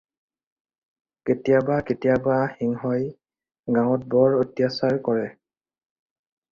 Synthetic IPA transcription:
ketijabaketijabaxiŋɦɔj | ɡãw̃ɔt̚bɔɹotjasaɹkɔɹɛ

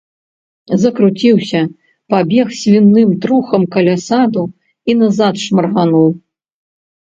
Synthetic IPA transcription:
zɐkɾut͡sʲiwsʲɐ | pabʲɛxsʲvʲinːɨmt̪ɾuxɐmkɐlʲasad̪u | inazat̪ʂmɐrɣanuw

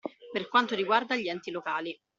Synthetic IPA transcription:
perkwant̪oɾiɡward̪aʎːiɛnt̪ilokaːli

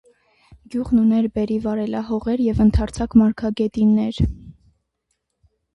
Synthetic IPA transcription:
ɡjuʁnunɛɾbɛɾivɑɾɛlɑɦɔʁɛɾjɛvənt̪ʰɑɾt͡sʰɑkmɑɾkʰɑɡɛt̪inːɛɾ

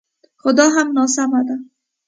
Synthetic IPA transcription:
xʊd̪ɑɦamnɑsamad̪a

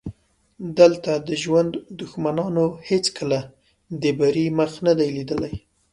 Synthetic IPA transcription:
d̪əlt̪ad̪əʒwand̪d̪ʊxmanɑnohet͡skəla | d̪əbaɾiməxnad̪ajlid̪əlaj

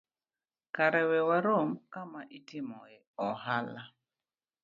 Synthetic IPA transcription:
kaɾɛwɛwaɾomkamaʔitimɔeɔhala

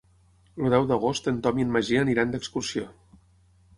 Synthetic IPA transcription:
luðɛwðəɣost̪ənt̪ɔmiənməʒiəniɾand̪əkskursio

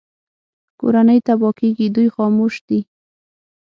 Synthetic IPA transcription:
ko̰ɾanəjt̪abɔkeɡid̪ujxɑmoʃd̪i

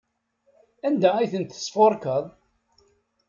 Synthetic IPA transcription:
ænd̪æijθənt̪ə̥sˤfoɾˤkəðˤ

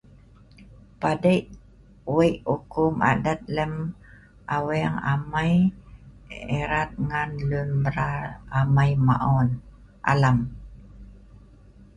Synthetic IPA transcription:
padəjʔ | wəjʔukuma̰dat̪̚ləm | ʔawɛŋa̰maj | eɾat̪̚ŋanlunbəɾaamajma̰ʔɔn | ʔa̰lam

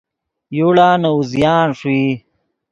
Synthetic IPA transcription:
juɽaːnɐuzjaːnʂi

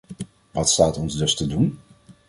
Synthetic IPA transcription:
ʋɑtstaːtɔnzdɵstədun

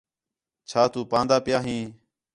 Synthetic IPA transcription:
t͡ʃʰaːt̪uːpãːnd̪aːpɪjaːɦĩː

